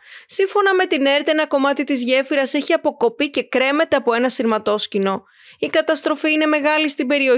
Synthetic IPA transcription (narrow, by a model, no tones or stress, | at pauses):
siɱfo̞nɐme̞t̪ine̞ɾt̪eenɐko̞mɐt̪it̪izʝe̞fiɾɐse̞çiɐpo̞ko̞pice̞kɾe̞me̞t̪e̞ɐpo̞e̞nɐsiɾmɐt̪o̞scino̞ | ikɐt̪ɐst̪ɾo̞fiine̞me̞ɣɐlist̪ibe̞ɾio